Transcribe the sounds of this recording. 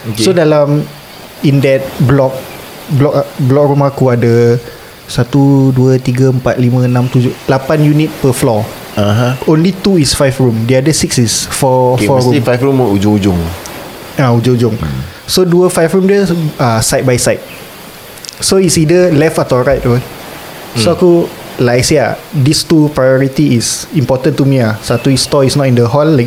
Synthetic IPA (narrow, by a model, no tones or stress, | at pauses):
oksodalãm | ĩndɛt̚blɔk̚ | blɔkblɔk̚ɹumakuadə | sat̪uduət̪iɡəəmpat̪̚limə̃ənãmt̪ud͡ʒʊlapanjunit̚pəflɔ | aɦãõnlit̪uisfajfɹumdiadəsiksisfɔfɔɹũifajfɹumud͡ʒʊŋud͡ʒʊŋ | aud͡ʒʊ̃ŋud͡ʒʊ̃ŋ | soduəfajfɹũmdəasajt̚bajsajt̚ | soitsidəlɛfat̪ɔɹajt̚wɔ | soaku | lajsia̰dist̪upɹajɔɹitiːsĩmpɔtə̃nt̪umiasat̪uist̪ɔisnɔtĩndəɦɔlːajk̚